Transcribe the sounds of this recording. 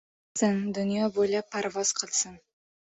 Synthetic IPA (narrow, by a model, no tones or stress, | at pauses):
sənd̪ʊnijɑbojlɑpʰːaɾvɑz̥qʰəlˠsən